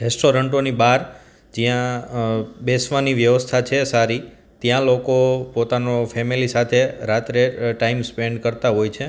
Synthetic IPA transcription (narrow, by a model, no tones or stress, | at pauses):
ɾɛsʈoɾəɳʈonibaɾ | d͡ʒijã | besʋaniʋjəʋəst̪ʰat͡ʃʰesaɾi | t̪jãlokopot̪anofʰɛmilisat̪ʰeɾat̪ɾeʈaimspeɳɖkəɾt̪aɦojt͡ʃʰe